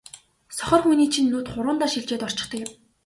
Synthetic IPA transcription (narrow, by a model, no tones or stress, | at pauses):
sɔ̥χʲɞ̆rχminiːt͡ɕʰĭnːuːt̪χʊɾʊːnt̪aːʃiɮt͡ɕeːt̪ɔr̥t͡ɕɪ̥̆χt̪ə̆kɪm